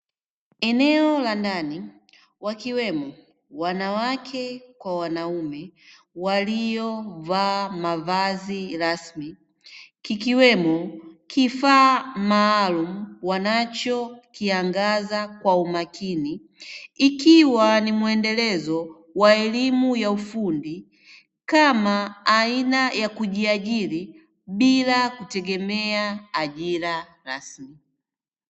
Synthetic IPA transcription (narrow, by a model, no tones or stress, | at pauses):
ɛnɛɔlandani | wakiwɛmɔ | wanawakʰɛkwawanaumɛ | walijɔvaːmavaziɾasmi | kikiwɛmɔkʰifaːmaːlumuwanat͡ʃɔkiaŋɡazakwaumakiniː | kiwanimwɛndɛlɛzɔ | waɛlimujaufundi | kamaːinajakuʄiaʄili | ɓilakutɛɡɛmɛaːʄila | ɾasmi